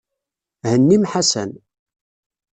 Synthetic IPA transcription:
hənːimħasə̰n

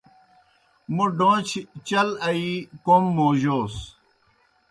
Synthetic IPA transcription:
muɖõːt͡ɕʰt͡ɕɐlɐikomːoːʑoːs

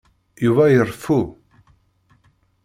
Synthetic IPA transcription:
juvæjərˤfu

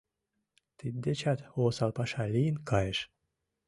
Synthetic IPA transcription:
t̪id̪̚ʲd̪et͡ɕɑt̪osɑlˠpɑʃɑlʲijnkʰɑjeʃ

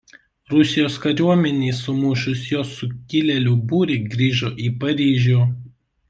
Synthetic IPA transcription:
ɾʊsʲɪjoːskɐɾʲuɔmʲɛnʲeːsʊmʊʃʊsjoːsʊkʲɪlʲɛlʲubuːɾʲɪɡɾʲiːʒoːʔiːpɐɾʲiːʒʲʊ

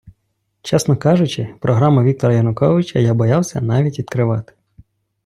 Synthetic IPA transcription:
t͡ʃɛsnɔkɑʒʊt͡ʃɪpɾɔɦɾɑmʊʋʲik̚t̪ɔɾɐjɐnʊkɔʋɪt͡ʃɐjabɔjɑwsʲɐnɑʋʲitʲʋʲid̪kɾɪʋɑt̪ɪ̥

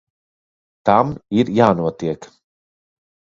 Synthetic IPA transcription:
t̪amiɾjaːnuɔt̪iɛk

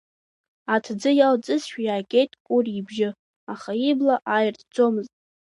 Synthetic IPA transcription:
atʰd͡zɨjalt͡sʼɨzʃᶣajaːkʲʼe̞jtʼkʷʼʊribʒɪ | aχaiblaʔajɪrtʰd͡zʼo̞mɨztʼ

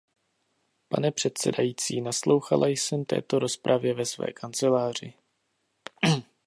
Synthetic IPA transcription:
pa̰nɛpr̝̥ɛt̪sɛdajiːt͡siːnaslo̞wxalʔajsɛmt̪ɛ̰ːt̪o̞ɾo̞spɾʔavjɛvɛsvɛ̰ːkʰant͡sɛlaːr̝ɪ

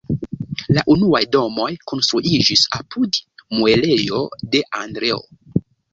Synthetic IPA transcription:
laʔunuajdo̞mo̞jko̞nstɾuʔid͡ʒisapudmue̞le̞jo̞̰de̞ʔandɾe̞o̰

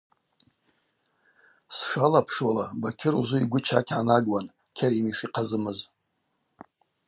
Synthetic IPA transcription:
sʂalapʰʂwalabakʲʰɪruʒʷʊiɡʷʊt͡ʃʰa̰kʲʰʕanaɡʼwan | kʲʰaɾimiʂiqʰazɨmɨz

